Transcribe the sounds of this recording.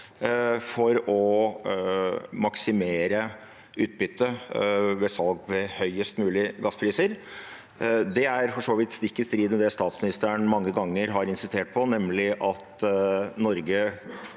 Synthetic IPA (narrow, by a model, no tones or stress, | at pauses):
fɔɾɔ | mɑksɪmeːɾə | ʉːt̪̚bʏt̪ːəʋɛsɑlɡʋɛhœʏəst̪mʉːlɪɡɑspʰɾiːsəɾ | d̪ɛæɾfɔʂoːʋɪt̪st̪ɪkːəst̪ɾiːd̪ənɛd̪ɛst̪ɑːt̪smɪnɪst̪æəɳmɑŋːəɡɑŋːəɾɦɑɾɪnsɪst̪eːʈ̚pʰɔnɛmlɪʔɑt̪nɔɾɡə